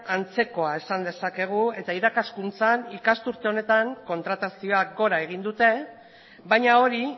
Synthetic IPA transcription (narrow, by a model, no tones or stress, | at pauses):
ant͡se̞ko̞ae̞sand̪e̞sake̞ɣ̞ue̞t̪aiɾakaskunt͡sanikast̪uɾt̪e̞o̞ne̞t̪aŋko̞nt̪ɾat̪asio̞aɡo̞ɾae̞ɣ̞ind̪ut̪e̞ | bajɲao̞ɾi